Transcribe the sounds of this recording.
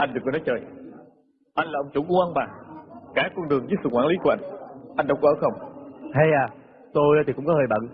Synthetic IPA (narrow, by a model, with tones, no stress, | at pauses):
ʔa˧jŋ̟ɗɨ˨˩k̚ːnɔ˨˦jt͡ɕəː˨˩j | ʔa˧jŋ̟laː˨˩ʔə˧wŋ͡mt͡ɕu˧˩˦ŋ͡mʔu˧ʔa˧nɓaː˨˩kaː˧˩kwɔ˧nɗɨ˨˩əŋzɨː˨˦˥t̚sɨ̰˧˨kwaː˧˩ŋli˨˦ku˧˩əʔa˧jŋ̟ʔa˧jŋ̟ɗə˧˦wŋ͡mʔəː˧˩˦xə˧wŋ͡mha˧jaː˨˩ | t̪o˧ja˧˩i˨kʊ̰˧˥ŋ͡mkɔ˨˦həː˨˩jɓə̰˧˨n